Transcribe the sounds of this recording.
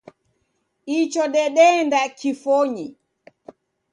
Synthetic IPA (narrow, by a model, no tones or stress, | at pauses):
it͡ʃɔɗɛɗɛndakifɔɲi